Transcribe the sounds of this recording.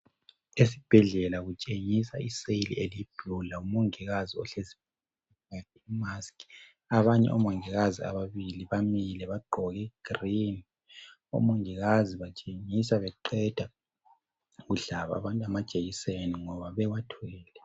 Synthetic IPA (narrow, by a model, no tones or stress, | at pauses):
esib̥ʱɛɮɛlaɣut͡ʃʼeŋisaisejlḭʔelib̥ʱulaumoŋiɣaziɔ̰ɬezip̚ | ɛ | ad̥ɛimaskʰʼi | aβaɲɛ̰ʔɔ̰moŋiɣazia̰βaβiliβamilɛβaɡ͡ǃʱɔɣɛɡ̥rini | o̰moŋiɣaziβat͡ʃʼeŋisaβɛǃɛd̥ʱa | ɣuɮaβa̰βantʼamad̥ʒ̥ʱʼeɣiseniŋɔβaβɛwatʰɔɛːlɛ